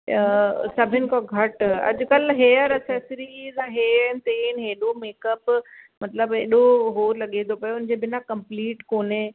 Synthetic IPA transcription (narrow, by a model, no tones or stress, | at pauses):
sɐbʱɪnɪ̆kɔ̃ɡʱɐʈɐ̰ʄkɐlɦeːəɾɐsɛsɾizaɦeɛːnt̪eːnɦeːɗomeːkəpmɐt̪ləbeːɗoɦoːɾlɐɠẽːnd̪opɐjoʊnd͡ʑeːbɪnakɐ̃mpliːʈkoːne